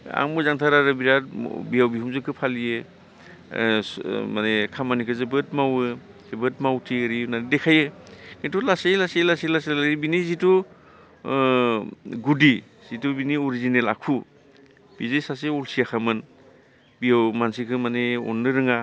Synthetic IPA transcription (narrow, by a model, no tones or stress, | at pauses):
a̰ŋmɯzaŋtʰaɾaɾɯbiɾat̚bijawbiɦumzɯkʰɯpʰalijɯ | manekʰamanikʰɯzɯbɯt̚mawɯ | zɯbɯt̚mawtʰiɯɾinaɾidekʰajɯkintʰulasejlaselaselaselaibinizitu | ɡudi | z̥itubinioɾizinela̰kʰu | b̥izesas̬eɔlsijakʰamɯn | bijawmansikʰɯmaneɔ̰nːɯɾɯŋa